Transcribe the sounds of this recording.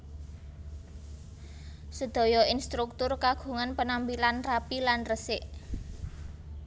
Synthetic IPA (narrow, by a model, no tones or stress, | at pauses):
səd̪̥ɔ̤jɔinst̪ɾuk̚t̪ʊrkaɡ̥ṳŋanpənambilanrapilanrəsɪʔ